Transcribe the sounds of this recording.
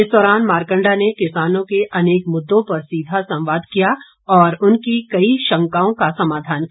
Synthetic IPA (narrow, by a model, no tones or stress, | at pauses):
ɪsd̪ɔːɾaːnmaːɾkə̃ɳɖanekɪsaːnõkeʔɐneːkmʊd̪ːõpɐɾsiːd̪ʱasɐ̃mʋaːd̪ʱkija | ɔːɾʊnkikɐiʃɐ̃ŋkaːõkasɐmaːd̪ʱaːnk